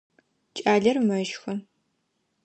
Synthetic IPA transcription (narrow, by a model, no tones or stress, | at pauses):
t͡ʃʼaːɮɐrmɐʒxɐ